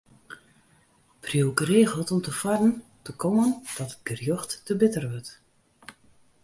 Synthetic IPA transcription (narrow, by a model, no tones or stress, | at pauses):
prjəwkəreːɣəlˠtɔmtəfɔdn̩təkʰomənd̥ɔtət̚ɡ̥ərjɔxtːəbɪtərʋøt